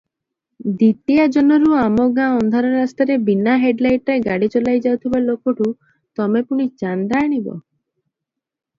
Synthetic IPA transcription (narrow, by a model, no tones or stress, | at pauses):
d̪it̪iad͡ʒɔnɔɾuamɔɡãɔnd̪ʱaɾɔɾast̪ɔɾebinaɦeɖlajʈɾeɡaɽit͡ʃɔlajd͡ʒawt̪ʰibalokɔʈu | t̪ɔmepuɽ̃it͡ʃand̪aːɽ̃ibɔ̰